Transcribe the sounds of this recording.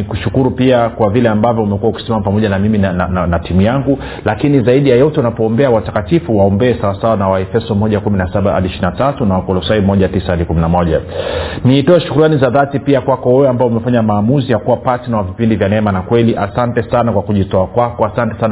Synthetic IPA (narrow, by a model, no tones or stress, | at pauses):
ikuʃukuɾupiakwavilɛambavjɔumɛkuwauki̥sɛmamapamɔʄanamiminananatimujaŋɡu | lakinizaiɗijajɔtɛunapɔːmbɛawatakatifuwaɔmbɛːsawasawanawaɛfɛsɔmɔʄakuminasaɓaha̰ɗiʃɾinatatunawakɔlɔsaimɔʄatisahaɗikuminamɔʄaniːtɔɛʃu̥kuɾuanizaðatipiakwakɔhɔjɔambaɔumɛfaɲamaːmuzijakuwapasinawavipindivjanɛmanakwɛliʔasantɛsanakwakuʄitɔakwakɔasantɛ̥san